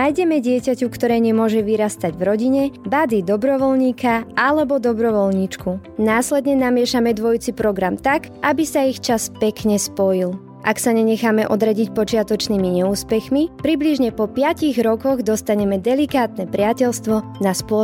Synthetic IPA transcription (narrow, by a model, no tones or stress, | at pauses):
ajɟɛmɛɟɪɛcacukt̪ɔɾɛːɲɛmʊɔʒɛʋiɾast̪aɟʋɾɔɟiɲɛbad̪id̪ɔbɾɔʋɔlɲiːkʰaʔalɛbɔd̪ɔbɾɔʋɔlɲit͡ʃku | naːslɛd̪ɲɛnamɪɛʃamɛd̪ʋɔjt͡sipɾɔɡɾamt̪akabisaixt͡ʃaspɛkɲɛspɔjil | ʔaksaɲɛɲɛxamɛʔɔd̪ɾaɟicpɔt͡ʃɪat̪ɔt͡ʃniːmiɲɛuːspɛxmipɾibliʒɲɛpɔpɪaciɣɾɔkɔɣd̪ɔst̪aɲɛmɛd̪ɛlikaːt̪nɛpɾɪacɛlst̪ʋɔnaspʊɔ